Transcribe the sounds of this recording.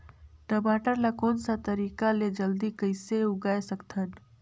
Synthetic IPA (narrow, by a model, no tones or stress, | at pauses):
ʈəbaːʈəɾlakoːnsat̪əɾiːkaled͡ʒəld̪ikəɪseuɡaːesəkt̪ʰən